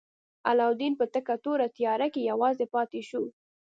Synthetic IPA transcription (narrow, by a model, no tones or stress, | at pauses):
a̰lɑwd̪inpət̪əkat̪oɾat̪ijɑɾakejawɑzepɑt̪eʃu